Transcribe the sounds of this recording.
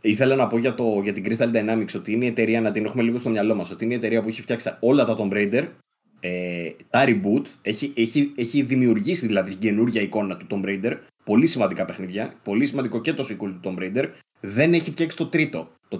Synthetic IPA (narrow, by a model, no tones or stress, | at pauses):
iθe̞lɐnɐpo̞ʝɐt̪o̞ʝɐt̪iɡɾist̪ɐld̪ɐenɐmiksio̞t̪iineie̞t̪e̞ɾiɐnɐt̪inexume̞liɣost̪omɲɐlo̞mɐso̞t̪iineie̞t̪e̞ɾiɐpueçift̪çɐksio̞lɐt̪ɐt̪o̞mbɾeid̪e̞ɾ | et̪ɐɾibut̪e̞çieçieçiðimiuɾʝisiðilɐðit̪iɟe̞nuɾʝɐiko̞nɐt̪ut̪o̞mbɾeid̪e̞ɾ | po̞lisimɐnd̪ikɐpe̞xniðʝɐpo̞lisimɐnd̪iko̞ce̞t̪o̞sikult̪ut̪o̞mbɾeid̪e̞ɾ | ðe̞ne̞çift̪çɐksi̥t̪o̞t̪ɾit̪o̞ | t̪o